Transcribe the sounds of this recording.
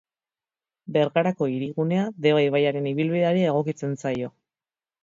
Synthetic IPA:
be̞ɾtaɾako̞iɾiɣune̞aðe̞βajβajaɾe̞niβilβiðe̞aɾiae̞ɣ̞o̞kit͡se̞nt͡sajo̞

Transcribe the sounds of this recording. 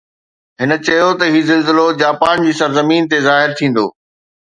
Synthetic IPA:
ɦɪnə̆t͡ɕɐɦjot̪ɐɦiːzɪlzɪlod͡ʑaːpaːnd͡ʑiːsɐɾzɐmiːnt̪ezaːɦɪɾt̪ʰĩːn̆d̪o̰ː

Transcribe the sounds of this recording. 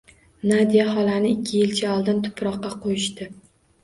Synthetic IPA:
nad̪ijahɒlanɪɪkʲʰːɪjɪlt͡ʃʰaɒlˠd̪ɪnt̪ʰʊ̥pʰɾɒqːɑqʰojɪʃt̪ɪ

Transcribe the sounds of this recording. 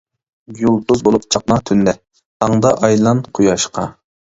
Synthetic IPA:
julˠd̪uzbolˠup̚t͡ʃʰɑq̚mɑt̪ʰynd̪ɛ | t̪ʰɑŋd̪ɑʔɑjlˠɑnqʰujɑʃqɑ

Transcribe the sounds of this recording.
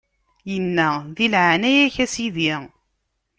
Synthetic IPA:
jənːæðilʕanæjæçæsiði

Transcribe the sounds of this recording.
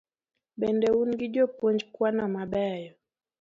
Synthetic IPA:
ɓɛndɛunɡiʄɔpɔɲd͡ʒkwanamaɓajɔ

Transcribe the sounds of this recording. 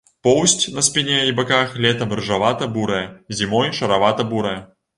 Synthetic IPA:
pɔwsʲtʲnɐspʲinʲɛibakaxlʲɛt̪ɐmrʐavat̪ɐbuɾɐjɐzʲimɔjʂɐɾavat̪ɐbuɾɐjɛ

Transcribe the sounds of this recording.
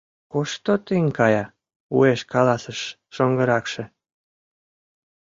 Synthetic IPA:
koʃt̪ot̪iŋkɑjɑ | ṵeʃkɑlɑsəʃː | oŋɡəɾɑkʃĕ

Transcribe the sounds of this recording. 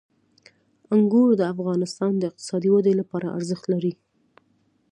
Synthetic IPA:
aŋɡoɾd̪əafɣɑnɪst̪ɑnd̪əɪq̚t̪ɪ̥sɑd̪iwad̪əjlapɑɾa̰ʔa̰ɾzəxt̪laɾi

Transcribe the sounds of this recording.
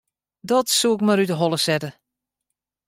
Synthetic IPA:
dɔtsuɪk̚maɾydəɦɔlˠəsɛtə

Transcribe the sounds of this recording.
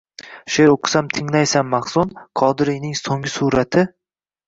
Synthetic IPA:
ʃjeɾoqʰɨ̥samt̪ʰɪŋlajsamːɑχsʊnqʰɒd̪ɪɾijnɪŋsoŋʲɪsuɾat̪ʰɪ

